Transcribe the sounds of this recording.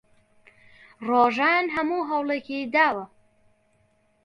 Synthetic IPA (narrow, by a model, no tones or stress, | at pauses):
roːʒaːnɦɐmuːɦɐwleːkid̪aːwɐ